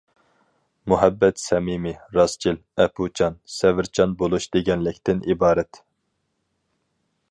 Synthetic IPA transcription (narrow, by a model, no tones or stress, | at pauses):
muɦɛbːɛt̪sɛmimiɾɑst͡ʃʰilɛpʰut͡ʃʰɑnsɛvɪɾt͡ʃʰɑnbolˠuʃd̪̥eɡʲɛnlɪkʲt̪ɪnʔibɑːɾɛt̪